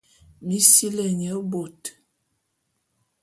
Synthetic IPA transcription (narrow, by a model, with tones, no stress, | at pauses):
mi˦si˦lə˨ɲ˨ə˨˦bo˨t